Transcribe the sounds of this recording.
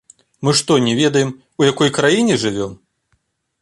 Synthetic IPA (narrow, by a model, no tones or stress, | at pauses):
mɨʂt̪ɔnʲɛvʲɛd̪ɐjɛm | ujakɔjkɾajinʲɛʐɨvʲɔm